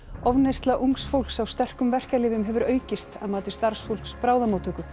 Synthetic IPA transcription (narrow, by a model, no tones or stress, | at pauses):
ɔvnejst̪laʔuŋksfowl̥ksawst̪ɛr̥kʏmvɛr̥kalɪːvʏmɦɛvʏɾœːɥcɪst̪aðmaːt̪ɪst̪aɾ̥sfowl̥kspɾaːwðamowt̪ʰʏːkʏ